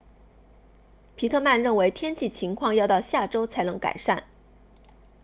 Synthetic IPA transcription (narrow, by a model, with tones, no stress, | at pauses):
pʰi˧˥t̪ʰɤ˥˧ma˥˧nɻə˥˩nwe˧˥ɪt̪ʰjɛ˥nt͡ɕʰi˥˩t͡ɕʰi˧˥ŋkʰwɑ˥˧ŋjɑ˥˧ʊt̪ɑ˥˧ʊɕja˥˩ʈ͡ʂo˥ʊt͡sʰa˧˥ɪnɤ˧˥ŋka̰˨˩ɪʂa˥˩n